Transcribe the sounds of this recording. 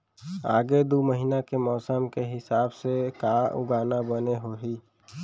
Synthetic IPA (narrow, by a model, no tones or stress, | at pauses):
a̰ːɡed̪uməɦinakemɔːsəmkeɦɪsaːbsekaːʔʊ̰ɡaːnabəneɦoɦiː